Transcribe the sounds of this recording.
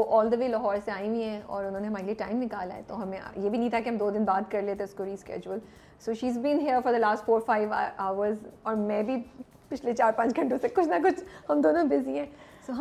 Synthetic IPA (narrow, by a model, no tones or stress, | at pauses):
oʔɔːld̪əʋeːlɐɦɔːɾseaːĩwĩɦɛ̃ɔ̰ːɾʊnɦõːneɦɐmaːɾelieʈaːɪ̃mːɪ̃kaːla̰ːɛ̰t̪oɦɐmḛ̃jeːbʱinɐ̃ɦĩt̪ʰakeɦɐ̃md̪oːd̪ɪnbaːt̪kɐɾleːt̪ʰẽʊskoɾiːskɛ̰ːd͡ʒuəl | soːʃiːzbĩːnɦiəɾfɔɾd̪əlaːsʈfoːɾfaːɪʋ̰aːʋəɾzɔːɾmɛ̃ːbʱi | pɪt͡ʃʰlet͡ʃaːɾpɐ̃t͡ʃɡʱɐ̃ɳʈõsekʊt͡ʃʰnɐkʊt͡ʃʰhɐmd̪oːnõbɪzĩɦɛ̃ːsoːɦɐ